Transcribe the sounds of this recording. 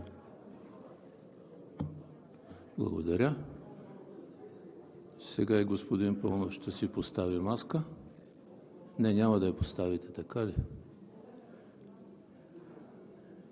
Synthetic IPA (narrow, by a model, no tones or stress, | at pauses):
blˠɐ̰ɡo̰d̪ɐɾʲə | sɛɡaiɡospod̪inpɤlˠnofʃt̪ɛsipost̪avimaskə | nɛnʲamɐd̪ɐɐpost̪avit̪ɛt̪ɐkali